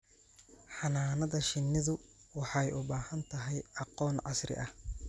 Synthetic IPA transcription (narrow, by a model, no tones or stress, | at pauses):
ħɑnaːnɐðɐʃɪnːɪðʊwɑħɑjʔʊbaːhɐnt̪ʰɐɦɛjɑqɔːnʕɑsrɪ̰ʔɐh